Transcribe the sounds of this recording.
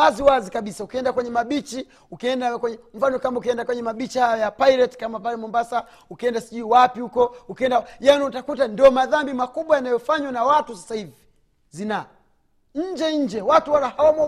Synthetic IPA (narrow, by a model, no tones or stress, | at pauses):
waziwazikaɓisaukiɛndakwɛɲɛmaɓit͡ʃi | ukiɛndakwɛɲɛm̩fanɔkambaukiɛndakwɛɲɛmaɓit͡ʃihajɔjapailɛtkamapalɛmɔmbasa | ukiɛndasiʄuiwapihukɔukiɛndajaniutakutandiɔmaðambimakuɓwajanajɔfaɲwanawatusasahivi | zina | ɲ̩d͡ʒɛɲ̩d͡ʒɛwatuwalahawamɔ